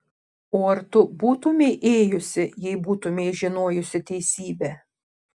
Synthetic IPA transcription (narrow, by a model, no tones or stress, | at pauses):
oːɐɾt̪ʊbuːt̪ʊmʲeɪʔeːjʊsʲɪjɛɪbuːt̪ʊmʲɛɪʒʲɪnoːjʊsʲɪt̪ʲɛɪsʲiːbʲɛː